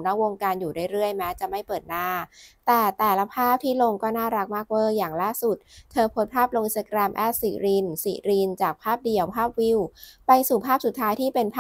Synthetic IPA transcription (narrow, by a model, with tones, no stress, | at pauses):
na˦˧˥wo˧ŋkaː˧njuː˨˩ɾaː˥˩jɾɯ˥˩əjmɛː˦˥t͡ɕa˨˩ʔma˥˩jpɤː˨˩t̪̚naː˥˩t̪ɛː˨˩t̪ɛː˨˩la˦˥pʰaː˥˩p̚t̪ʰiː˥˩lo˧ŋkɔː˥˩naː˥˩ɾa˦˥k̚maː˥˩k̚wɤː˧˥˩jaː˨˩ŋlaː˥˩su˨˩t̪̚ʰɤː˧pʰo˦˥t̪̚pʰaː˥˩p̚lo˧ŋʔi˨˩aː˧kɾɛ˧mʔɛ̰˦˥siː˨˩ɾi˧nsḭː˨˩˦ɾi˧nt͡ɕaː˨˩k̚pʰaː˥˩p̚di˧əwpʰaː˥˩p̚wi˧wpa˧jsuː˨˩pʰaː˥˩p̚su˨˩t̪ʰːaː˦˥jt̪ʰiː˥˩pe˧npʰː